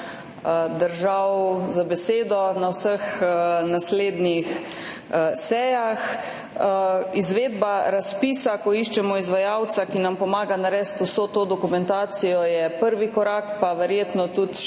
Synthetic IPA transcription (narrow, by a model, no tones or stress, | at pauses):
d̪əɾʒawwzabɛseːd̪ɔnawsəxnasleːd̪nix | sɛjax | izʋeːd̪baɾaspiːsakɔiʃt͡ʃɛmɔizʋajawt̪sakinampɔmaːɡanaɾɛst̪uwsoːt̪oːd̪ɔkumɛnt̪aːt̪sijɔjɛpəɾʋikɔɾaːkpaʋɛɾjeːt̪nɔt̪ut̪